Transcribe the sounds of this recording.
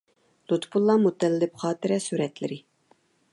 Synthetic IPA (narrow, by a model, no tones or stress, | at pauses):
lˠut̪pʰulˠːɑmut̪ʰːɛllɪpχɑːt̪ɪɾɛsyɾɛt̪lɪ̰ɾɪ